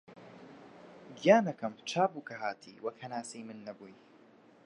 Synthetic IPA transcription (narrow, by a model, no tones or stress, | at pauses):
ɡijaːnɐkɐmt͡ʃʰaːbuːkʰɐɦaːt̪ʰḭːwɐkhɐnaːsejmɨnːɐbuːj